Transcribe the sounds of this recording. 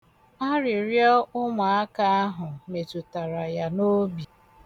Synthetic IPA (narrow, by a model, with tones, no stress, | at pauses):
a˦ɾɪ˨ɾjɔ˦ʊ˦ŋʷa˨a˦ka˦a˦ɦʊ˨me˨tu˨ta˨ɾa˨ja˨no˦bi˨